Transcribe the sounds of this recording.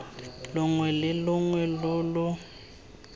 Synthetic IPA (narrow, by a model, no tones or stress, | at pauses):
lʊŋwɛlɪlʊŋwɛlʊlʊ